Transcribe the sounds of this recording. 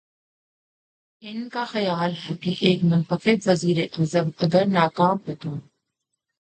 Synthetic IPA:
ɪnkaxɐjaːlɦɛkiʔeːkmʊnt̪ɐxɪbʋɐziːɾeʔɐzəbɐɡəɾnaːkaːmbɪt̪õː

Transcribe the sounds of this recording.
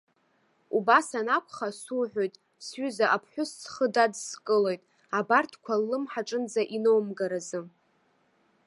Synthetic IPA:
ubasanakʷʰʼχasuħʷᶣojtʼ | sɥʏzaʔapʰħʷᶣʊst͡sχədadskʼɨle̞jtʼ | abartʰkʷʰalːɨmħaʈ͡ʂʼɨnd͡zaʔino̞wmɡaɾazɨ

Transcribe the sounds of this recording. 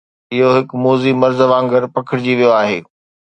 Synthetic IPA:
ɪɦoɦɪkmoːzimɐɾzʋãːŋɡəɾpɐkʰɪɽɪd͡ʑiʋijoaːɦḛː

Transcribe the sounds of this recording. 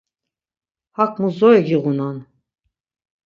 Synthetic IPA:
hakʰmuzɔjɡiɣunan

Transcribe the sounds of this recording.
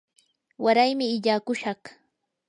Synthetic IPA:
waɾajmɪːʎaːkʊʃɑχ

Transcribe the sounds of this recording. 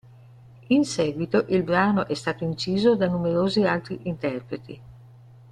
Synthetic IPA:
insɛːɡwit̪oʔilbɾaːnoʔɛst̪aːt̪oint͡ʃiːzod̪anumeɾoːzialt̪ɾiʔint̪ɛrpɾet̪ʰi

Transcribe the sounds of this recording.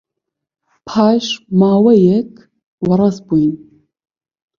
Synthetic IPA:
pʰaːʃmaːwɐjɛkʰ | wɐɾɑsbuin

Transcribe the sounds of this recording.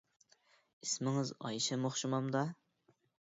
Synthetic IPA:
ismɪŋɪzɑ̰jʃɛmoχʃumɑmd̪ɑ

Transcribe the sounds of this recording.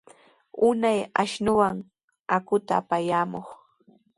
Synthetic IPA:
ʊnajaʃnʊwaŋ | akʊt̪aːpajaːmoχ

